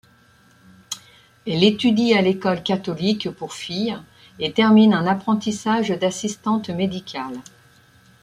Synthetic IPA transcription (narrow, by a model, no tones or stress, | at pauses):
ɛlet̪yd̪ialekɔlkʲat̪ɔlikpuʁfij | et̪ɛʁminɛ̃napχɑ̃t̪isaʒd̪asist̪ɑ̃t̪med̪ikʲʰal